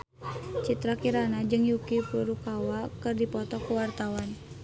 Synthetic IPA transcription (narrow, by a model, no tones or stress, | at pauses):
t͡ʃit̪ɾakiɾanad͡ʒɨŋjukipuɾukawakɨrdipɔt̪ɔkuwart̪awan